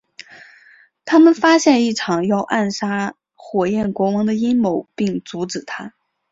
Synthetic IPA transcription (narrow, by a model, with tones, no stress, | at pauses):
t̪ʰa˥mə˨nfa˥ɕjɛ˥˧ni˥˩ʈ͡ʂʰɑ˨˩ŋjɑ˥˧ʊʔa˥˩nʂa˥ | xwɔ˨˩jɛ˥˩nkwɔ˧˥wɑ˧˥ŋd̪ə˧i˥nmo˧˥˦ʊpi˥˩ŋt͡su˧˥ʈ͡ʂɻ̩˨˩t̪ʰa˥